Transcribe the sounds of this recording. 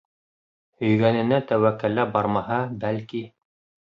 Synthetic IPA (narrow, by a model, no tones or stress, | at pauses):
hɵ̆jɡænɘ̆næt̪æwækːælːæbɑɾmɑɦɑbælki